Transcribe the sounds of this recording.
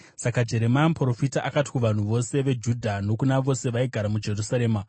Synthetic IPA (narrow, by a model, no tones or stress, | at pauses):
sakad͡ʒe̞ɾe̞mampro̞fitaʔakati̥kuʋan̤uʋo̞se̞ʋe̞d͡ʒudʱano̞kunaʋo̞se̞ʋaiɡʱaɾamud͡ʒe̞rusaɾeːma